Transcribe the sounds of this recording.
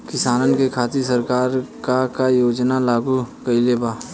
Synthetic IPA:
kɪsaːnənkekʰaːt̪isɐɾkaːɾkakajoːd͡ʒnalaːɡukɐileːbaː

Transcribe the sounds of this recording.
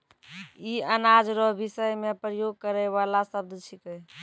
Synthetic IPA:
iənad͡ʒɾɔɦbisəjmepɾəjoɡ̚kəɾɛβalasəb̚d̪ʱt͡ʃʰikɛ

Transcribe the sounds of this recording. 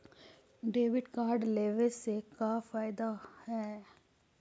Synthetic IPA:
ɖeːʋɪɖkaːɾɖleːʋesekaːfaːɪd̪ahɛː

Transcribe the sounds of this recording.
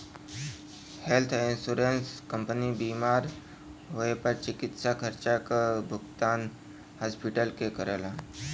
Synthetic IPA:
helt̪ʰinsuɾenskəmpənibimaɾ | ɦoepəɾt͡ɕikit̪sakʰəɾt͡ɕakabʱuɡt̪an | haspiʈəlkekəɾala

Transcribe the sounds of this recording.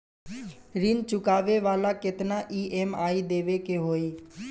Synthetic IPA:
ɾint͡ʃʊkaːʋeʋaːlaːket̪naːʔiːʔeːmaːid̪eːʋekeːɦoːiː

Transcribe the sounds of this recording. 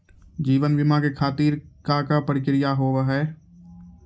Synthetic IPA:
d͡ʒiːʋənʋɪmãkekʰaːt̪iːɾkakapəɽɪkɪɾɪjaɦoːʋaɦɛː

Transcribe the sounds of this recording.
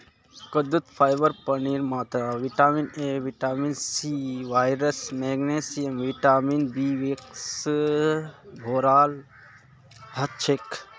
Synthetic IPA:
kɐd̪ut̪pʰaːjbəɾpɐniːɾmaːt̪ɾaːʋiʈaːmineːʋiʈaːmiːnsiːʋaːjɾəsmɛːɡneːsijəmʋiʈaːminbiːʋeks | bʱoːɾaːl | hɐt͡ʃʰek

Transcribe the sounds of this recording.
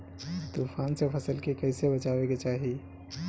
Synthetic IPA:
t̪upʰansẽpʰəsəlkekəɪsebət͡ʃabeket͡ʃaɦi

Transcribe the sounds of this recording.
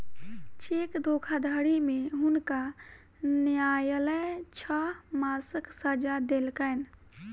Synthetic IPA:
t͡ʃekd̪ʱokʰad̪ʱəɽimeɦunka | njajələjt͡ʃʰəmasəksəd͡ʒad̪elkən

